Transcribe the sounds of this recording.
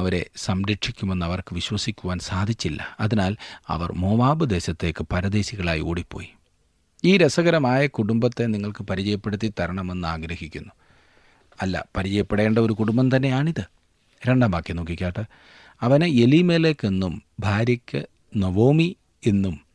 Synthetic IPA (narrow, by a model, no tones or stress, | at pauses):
ɐʋɐɾe̞sɐmɾɐʈʂikʲːume̞nːɐʋɐrkɨʋiɕwɐsikʲːuʋaːnsaːd̪ʱit͡ɕːilːɐ̰ɐðinaːlɐ̰ʋɐ̰rmo̞ːʋaːbɨd̪e̞ːɕɐt̪ːe̞ːkːɨpɐɾɐd̪e̞ːɕiɣɐɭa̰ːjio̰ːɽipːo̞̰ːji | iːɾesɐɣɐɾɐmaːjɐkuɽumbɐt̪ːe̞niŋːɐɭkɨpɐɾit͡ɕɐjɐpːe̞ɽut̪ːit̪ɐɾɐɳɐme̞nːɨaːɡɾɐhikʲːunːu | ɐlːɐ̰pɐɾit͡ɕɐjɐpːeɽe̞ːɳɖɐo̞ɾukuɽumbɐnt̪ɐnːe̞jaːɳiðɨ | ɾe̞ɳɖaːmbaːkːeno̞ːkːikʲːaːʈːɨ | ɐʋɐneelimeːlekːenːumbʱaːɾjɐkʲːɨ | noʋo̞ːmi | enːum